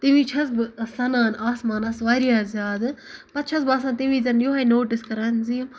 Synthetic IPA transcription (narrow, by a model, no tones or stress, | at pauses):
t̪iʋit͡ʃʰɐzbsɐnaːnaːsmaːnɐsʋaːɾijaːzʲaːd̪pɐt̪t͡ʃʰɐsbaːsaːnt̪iʋiːzɐnjoːɦajnoːʈɪskɐɾanzim